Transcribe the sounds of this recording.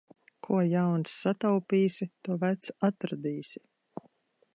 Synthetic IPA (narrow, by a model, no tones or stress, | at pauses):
kʰuɔjawnsːat̪awpʲiːsʲit̪uɔvæt̪sat̪ɾad̪iːsʲi